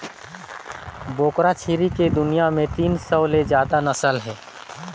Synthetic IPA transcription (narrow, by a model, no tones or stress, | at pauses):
boːkɾat͡ʃʰiːɾiked̪ʊnijamẽt̪iːnsəwled͡ʒjaːd̪anəsəlɦɛː